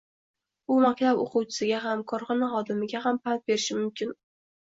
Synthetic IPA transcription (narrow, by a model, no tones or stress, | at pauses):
ʊmakʲt̪ʰabo̰qʰʊwt͡ʃʰɪ̥sɪɡʲaɦamkʰɒɾχɒnɪχɒd̪ɪmɪɡʲaɦampʰant̪̚be̞ɾɪʃɪmʊmkʲɪn